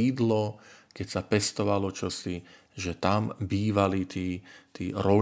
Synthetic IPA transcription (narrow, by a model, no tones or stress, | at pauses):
iːd̪lɔkɛcsapɛst̪ɔʋalɔt͡ʃɔsi | ʒɛt̪ambiːʋalit̪iːt̪iːɾɔ